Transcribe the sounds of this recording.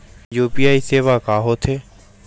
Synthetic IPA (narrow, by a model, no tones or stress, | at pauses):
juːpiːaːiseːʋakaːɦoːt̪ʰeː